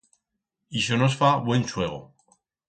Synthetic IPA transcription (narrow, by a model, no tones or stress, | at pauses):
iʃonosfaβwent͡ʃwe̞ɣ̞o̰